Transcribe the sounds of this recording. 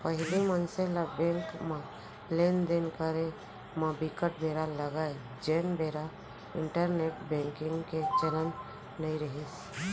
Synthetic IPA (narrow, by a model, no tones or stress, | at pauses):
pəɦɪlimənselabɛ̃ŋkmã | lend̪enkəɾe | mãbɪkəʈbʱeɾaləɡae | d͡ʒenbeɾa | ɪɳʈəɾneʈbɛ̃ŋkɪ̃ŋɡket͡ʃələn | nəiɾəɦis